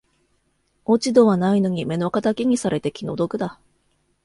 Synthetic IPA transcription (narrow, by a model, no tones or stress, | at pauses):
o̞t͡ɕid̪o̞βanaino̞ɲ̟ʲime̞nokat̪akʲiɲ̟isaɾe̞t̪e̞kʲino̞d̪o̞kɯ̟d̪a